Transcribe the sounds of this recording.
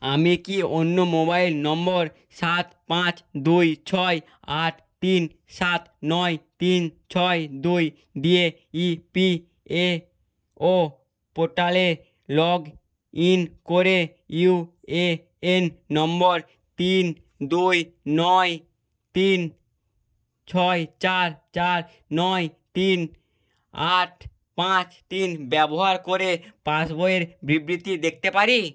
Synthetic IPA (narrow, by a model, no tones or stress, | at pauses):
amikionːomobailnɔmbɔɾ | ʃat̪pãt͡ɕd̪ujt͡ɕʰɔj | aʈ | t̪in | sat̪nɔjt̪int͡ɕʰɔed̪uj | d̪ie | ipi | e | o | poɾʈale | lɔɡ | inkoɾe | u | e | enːɔmboɾ | t̪in | d̪ujnɔj | t̪in | t͡ɕʰɔet͡ɕaɾt͡ɕaɾ | nɔjt̪in | aʈʰ | pãt͡ɕt̪inbɛboɦaɾkoɾepãsboeɾbɾibɾit̪id̪ek̚ʰt̪epaɾi